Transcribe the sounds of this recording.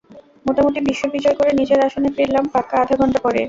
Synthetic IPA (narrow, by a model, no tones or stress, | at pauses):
moʈamoʈ̪ibiʃːobid͡ʑɔekoɾenid͡ʑeɾaʃonepɾiɾlampakːaaʈʰaɡʱɔɳʈapɔɾḛ